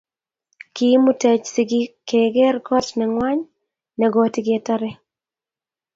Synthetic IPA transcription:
ki˦mʊ˦tɛ˨t͡ʃsɪ˨ɡɪ˦keɡɛ˦rɡɔ˦tnɛŋwa˦ɲ | nɛɡɔtɪ˦ɡɪɛtaɾɛ˦

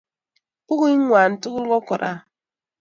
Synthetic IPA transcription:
pu˦ɣi˦ŋ˦ŋʷa˨n̩˨tu˦ɣu˦lkɔ˦kɔ˨ɾa̰˦

